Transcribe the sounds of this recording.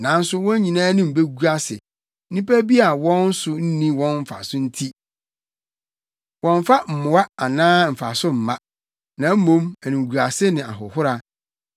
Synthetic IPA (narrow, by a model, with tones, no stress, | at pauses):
nã˨n̩˦sʊ˦wɔ̃˦ɲ˦ɲĩ˨nãː˦nɪ̃˦m̩˨be˦ɡu˦ɾa˦sɪ̰˨˦ | nĩ˦pʰæ˦bi˦a˨wɔ̃˦n̩˦sʊ˦n̩˦nĩ˦wɔ̃˦nm̩˨fa̰˨sʊ˦n̩˦tʰi˦ | wɔ̃˨ɱ˦fa˦m̩˨mʊ̃˨a˦a˨nãː˦m̩˨fa̰˨sʊ˦m̩˨mã˦ | nã˨˦m̩˦mõ˦mæ˨nĩ˨ɡu˨a˨sɪ˦nɪ̃˨a̰˨ɦʊ̰˨hʊ˦ɾa˨